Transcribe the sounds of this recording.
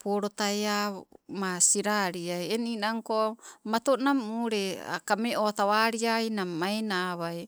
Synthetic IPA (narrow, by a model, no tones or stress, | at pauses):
poɾot̪ajamasiɾaɾiajeninaŋkomat̪onamuɾea̰kameʔot̪aβaɾiajnamajnaβaj